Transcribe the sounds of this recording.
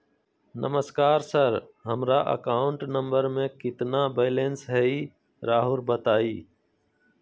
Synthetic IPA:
nə̰məskaːɾsəɾɦəmɾaːʔə̰kaːʊɳʈnəmbəɾmẽːkɪt̪naːbeːleːnsɦɛːiː | ɾaːɦʊɾbət̪aːiː

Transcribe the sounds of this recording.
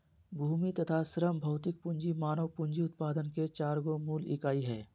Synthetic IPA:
bʱuːmit̪ət̪ʰasɾəmbʱɐːt̪ɪk̚pʊ̃ɲd͡ʒimaːnəʋpʊ̃ɲd͡ʒiʊt̪̚paːd̪ənket͡ʃaːɾɡomuːlɪkaːiɦɛː

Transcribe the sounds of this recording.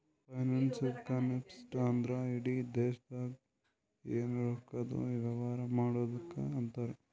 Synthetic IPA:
pɐjnansikanepsʈaːnd̪ɾaiɽid̪eːʃɐd̪aːɡ | eːnuɾoːkːɐd̪ṵʋiʋɐʋaːɾɐmaːɽoːd̪ɐkːḛɐnt̪aːɾe

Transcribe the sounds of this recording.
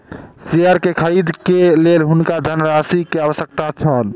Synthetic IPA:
siəɾkekʰəɾid̪ʱkelelɦunkad̪ʱənːəɾasikeaʋəsək̚t̪at͡ʃʰən

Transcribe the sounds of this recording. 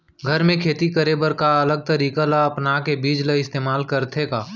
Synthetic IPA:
ɡʱəɾmẽkʰeːt̪ikəɾebəɾkaɐləɡ̚t̪əɾiːkalaɐpnakebiːd͡ʒleɪst̪eːmaːlkəɾt̪ʰekaː

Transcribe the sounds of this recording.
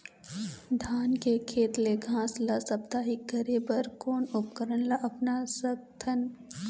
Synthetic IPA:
d̪ʱaːnkekʰeːt̪leɡʱãːslasɐbd̪aːɦiɡəɾebɐɾkoːnʊpkəɾənlaʔɐpnasɐk̚t̪ʰən

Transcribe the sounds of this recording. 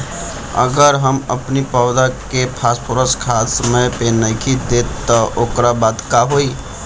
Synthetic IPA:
ə̰ɡəɾɦəməpnipaʊd̪akepʰaspʰoɾəskʰasəməjpenəjkʰid̪et̪ːəʔokɾabad̪kaɦoj

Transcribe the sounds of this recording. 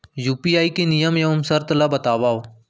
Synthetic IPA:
juːpiːaːiːkeːnijəmjəʊmsəɾt̪laːbət̪aːʋaːoː

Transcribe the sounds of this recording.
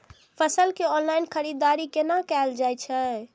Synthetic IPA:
pʰəsəlkeɔnlajnkʰəɾid̪aɾikenakɛld͡ʒajt͡ʃʰə

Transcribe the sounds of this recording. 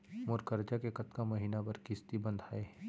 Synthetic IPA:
moɾkəɾd͡ʒakekɐt̪kamɐɦiːnapɐɾkɪst̪ibɐ̃nd̪ʱaːe

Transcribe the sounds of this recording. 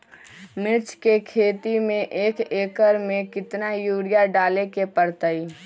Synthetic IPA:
mɪɾt͡ʃʰkekʰeːt̪imẽʔeːkeːkəɾmẽkɪt̪najuːɽɪjaɖaːlekepəɾt̪əi

